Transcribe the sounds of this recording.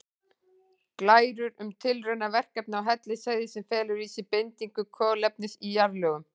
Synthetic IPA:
klaːjɾʏɾʏmt̪ʰɪlrœɥnavɛr̥kɛp̚naawɦɛt̪lɪsaːjðɪsɛmfɛːlʏɾiːsɪpejnt̪iŋkʏkʰœːlɛp̚nɪsijaɾlœːɣʏm

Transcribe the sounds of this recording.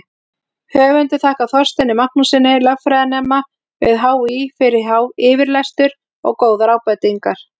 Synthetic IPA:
hœːvʏnt̪ɪθaːhkaθɔr̥st̪ɛnːɪmahknusɪnːɪlœvfɾɛːjðanɛːma | vɪ̰ðɦaːwifɪɾɪɾ̥ɦaːwɪːvɪɾlɛst̪ʏɾ | ɔ̰ɣkoːwðaɾaːwpɛt̪iŋkaɾ̥

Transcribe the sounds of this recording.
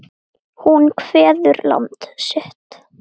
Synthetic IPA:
hunkʰv̥ɛːðʏɾla̰nt̪sʏht̪

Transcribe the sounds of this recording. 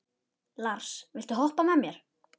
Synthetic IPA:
laɾ̥svɪlt̪ʏɦɔhpamɛðmjɛɾ̥

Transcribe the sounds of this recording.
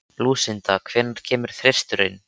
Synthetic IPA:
luːsɪnt̪akʰv̥ɛːnːaɾ̥cʰɛːmʏɾ̥θɾer̥st̪ʏɾɪ̰n

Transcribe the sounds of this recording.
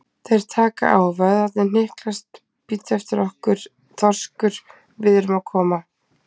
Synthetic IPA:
θeɾ̥t̪ʰaːka̰ʔaːwvaðat̪nɪn̥ɪhklast̪ | pit̪ːɛft̪ɪɾɔhkʏɾ̥ | t̪ʰɔr̥skʏɾ̥ | vɪðɪɾʏmakʰɔːma

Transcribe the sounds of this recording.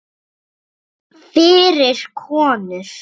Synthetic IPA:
fɪːɾɪɾ̥kʰɔːnʏɾ̥

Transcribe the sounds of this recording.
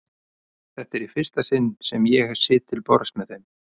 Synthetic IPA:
θɛht̪ɛɾifɪr̥st̪asɪnːsɛmjɛɣɛ̥sɪːt̪ʰːɪlpɔɾst̪mɛðem

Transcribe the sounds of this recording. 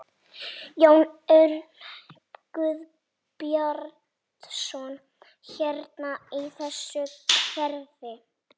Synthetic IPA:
joːwnœɾ | kʏð | pjɔɾ | t̪sɔn | çɛɾt̪naiθɛsːʏfʰɛɾðɪ

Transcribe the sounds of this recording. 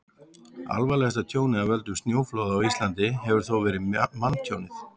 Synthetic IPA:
a̰lvajlɛɣast̪at̪ʰjoːwnɪavɛlt̪ʏst̪njoːwflowðaawist̪lant̪ɪɦɛvʏɾ̥θowvɛːɾɪmanːt̪ʰjownɪθ

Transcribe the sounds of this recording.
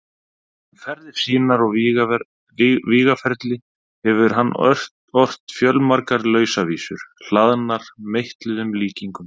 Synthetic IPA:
fɛɾðɪɾ̥siːnaɾɔɣɣ | viːɣafɛɾt̪lɪ | hɛvʏɾɦanːʔt | ɔr̥t̪fjœlmaɾkaɾlœːɥsaviːsʏɾ̥l̥aðnaɾ̥mejht̪lɪðʏmliːciŋkʏm

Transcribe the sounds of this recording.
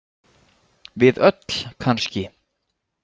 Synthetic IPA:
vɪðœt̪l̥kʰanscɪ

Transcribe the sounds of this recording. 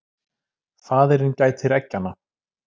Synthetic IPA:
θaːðɛɾɪncaːjt̪ɪɾɛcːanːa

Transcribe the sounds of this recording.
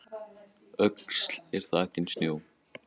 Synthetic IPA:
œkslɛɾ̥θaahcːɪnsnjoːw

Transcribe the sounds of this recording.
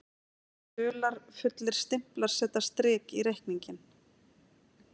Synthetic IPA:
ʏːlaɾ̥fʏt̪lɪɾ̥st̪ɪm̥plaɾ̥sɛːt̪ḁst̪ɾɪːkiɾejhkniɲcɪn

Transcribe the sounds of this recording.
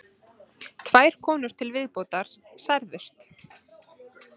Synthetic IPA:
t̪ʰv̥aːjɾ̥kʰɔːnʏɾ̥t̪ʰɪlvɪðpoːt̪aɾ̥sajɾðʏst̪

